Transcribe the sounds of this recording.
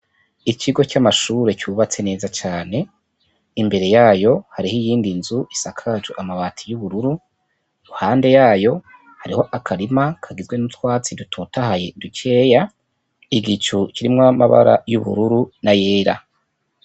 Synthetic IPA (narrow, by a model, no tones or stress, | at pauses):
ikʰiɡo̞camaʃuɾe̞cuβat͡se̞ne̞ːzat͡ʃaːne̞ | imbe̞ɾe̞jaːjo̞haɾihijiːndinzuʔisakʰad͡ʒuʔamaβaːtʰijuβuɾuɾu | ɾuhaːnde̞jaːjo̞ | haɾiho̞ʔakʰaɾimakʰaɡizɡwe̞nutwaːt͡sidutʰotahaje̞dut͡ʃʰe̞ːja | iɡit͡ʃuciɾimŋamaβa̰ɾa̰juβṵɾuɾunaje̞ːɾa̰